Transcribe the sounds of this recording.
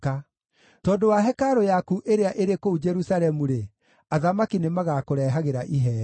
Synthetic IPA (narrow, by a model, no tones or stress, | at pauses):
ka | tɔːdowaɦɛkaɾojakuʔeɾeaʔeɾekoud͡ʒɛɾusalɛmuɾe | aðamakinemaɣakoɾɛɦaɣeɾaʔiɦɛː